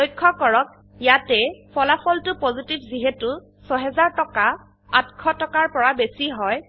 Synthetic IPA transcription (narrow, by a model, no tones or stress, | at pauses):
ojkʰːɔkɔɹɔk̚ | jatɛpʰɔlapʰɔltʊpozitibziɦɛtʊ | sɔɦɛzaɹtɔka | atkʰɔtɔkaɹpɔɹabesiɦɔj